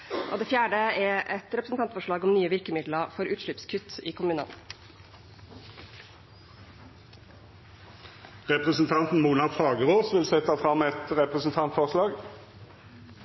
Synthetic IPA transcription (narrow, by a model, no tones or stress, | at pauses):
ʔo̰ːd̪eːfjæːɖəɛʔɛt̪ɾɛpɾsn̩ɑnt̪fɔʂɭɑːɡɔmnyːəʋɪɾkəmɪd̪ləʁfɔɾʉːt̪ʂɭʏpskʰʉt̪iːkʰʊmʉːnə̰n | ʁɛpʁəsn̩t̪ʰɑnt̪n̩muːnɑfɑːɡəʁoːsʋɪlsɛt̪əfʁɑmɛt̪ʁɛpʁəsn̩t̪ʰɑnt̪fɔʁʂlɑːɡ